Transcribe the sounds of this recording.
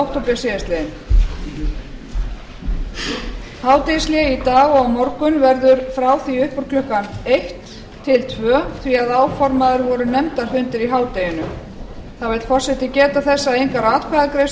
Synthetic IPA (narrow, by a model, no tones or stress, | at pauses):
wht̪ʰowpɪasɪðɪst̪lɛɪn | haːwt̪ejslɛit̪aːɣɔɣamɔɾkʏnvɛɾðʏɾ̥fɾaːwθiʏhpɔɾkʰlʏhkanejht̪ | t̪ʰːɪlt̪ʰvœːθviaðaːwfɔɾmaðʏɾvɔɾʏnɛmt̪aɾ̥fʏnt̪ɪɾiɦaːwt̪ejʏnʏ | θavɛlt̪fɔr̥sɛht̪ɪcɛːt̪aθɛsːaejŋkaɾaːt̪kʰvajðakɾejs